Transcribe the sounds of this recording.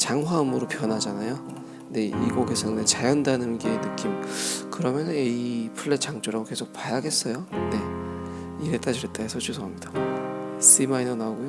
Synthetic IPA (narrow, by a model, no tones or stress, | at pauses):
t͡ɕaŋɦwaɯmɯɾopjʌnɦad͡ʑanajo | ne̞iɡoɡesʰʌŋnait͡ɕajʌndanɯnɡeːnɯk͈imkɯɾʌmjʌnɯneipʰɯɭːet͡ɕ͈aŋt͡ɕ͈oɾaɡoke̞sʰok̚pajaɡe̞s͈ʌjone̞ | iɾet͈ad͡ʑiɾet͈aesʰʌt͡ɕʰusʰoɦamɲida | s͈imainonaoɡojo